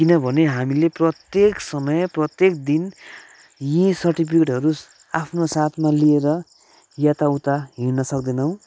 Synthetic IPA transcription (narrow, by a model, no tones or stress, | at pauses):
kinʌbʱʌneɦamileprʌt̪jeksʌmʌjprʌt̪jekd̪in | jĩsʌrʈipʰikeʈɦʌɾu | apʰnosat̪ʰmalieɾʌ | jat̪aut̪aɦinʌsʌk̚d̪enʌw̃